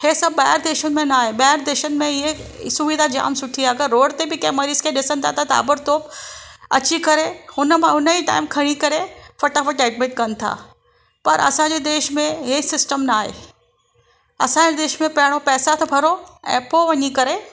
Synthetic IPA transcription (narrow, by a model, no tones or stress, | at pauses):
heːsɐbaːɪɾd̪eːʃənɪ̆mẽnaːɦeɓaːɾd̪eːʃənɪ̆mẽɪɦesʊʋid̪ʱad͡ʑa̰ːmsʊʈʰiaːkɐɾoːɽt̪ebɪkɐ̃mɐɾiːz̥kʰẽɗɪsənɪ̆t̪ʰa̰t̪ʰat̪a̰ːbəɾt̪oːbɐ̰t͡ɕikɐɾehʊnəmãʊnəiʈa̰ːɪmkʰɐɽ̃ikɐɾefɐʈafɐʈɛːɖmɪʈkɐnɪ̆t̪ʰa̰ː | pɐɾɐ̰sãːɲd͡ʑeːd̪eːʃmẽɦeːsɪsʈəmnaːɦḛː | ɐsãd͡ʑed̪eːʃmẽpɐɦɪɽ̃opɛːsat̪ʰɐbʱɐɾoɛ̰̃ːpoʋɐɲikɐɾe